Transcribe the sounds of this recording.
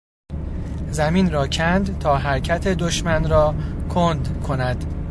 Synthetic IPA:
zæmiːnɾɒːcʰænd̪t̪ʰɒːɦæɾcʰæt̪ʰe̞d̪oʃmænɾɒːkʰond̪kʰo̞næd̪̥

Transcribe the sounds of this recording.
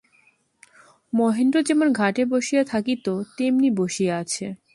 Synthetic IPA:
mɔɦenɖod͡ʑemonɡʱaʈeboʃijat̪ʰakit̪ot̪emniboʃijaat͡ɕʰe

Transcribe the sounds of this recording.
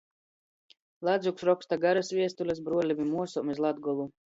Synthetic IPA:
lˠad̪zuksɾɔkst̪aɡaɾasvʲiɛst̪ulʲas̬bɾuɔlʲivʲimuɔsɔmʲɛslˠad̪ɡɔlˠu

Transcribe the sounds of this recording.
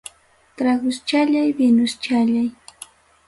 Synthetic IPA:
t̪ɾaɡʊst͡ʃaʎajbɪnʊst͡ʃaʎaj

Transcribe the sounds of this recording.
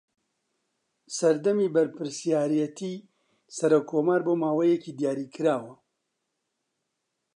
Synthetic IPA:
sɐɾd̪ɐmiːbɐɾpɨɾsijaːɾijɛt̪ʰiː | sɐɾokʰːoːmaːɾboːmaːwɐjekiːd̪ijaːɾiːkʰɨɾaːwɐ

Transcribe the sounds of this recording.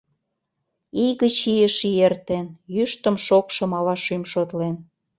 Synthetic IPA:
iɣət͡ɕijə̆ʃiert̪enjyʃt̪ə̆mʃokʃɤ̆mɑlɑʃymʃot̪len

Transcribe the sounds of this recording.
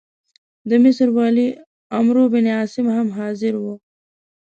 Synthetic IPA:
d̪əmɪsɾwɑli | amɾobɪneɑsɪmhamɦɑzɪɾwu

